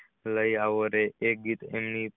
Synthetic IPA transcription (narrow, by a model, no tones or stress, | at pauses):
ləjaʋəɾeek̚ɡit̪ḛmni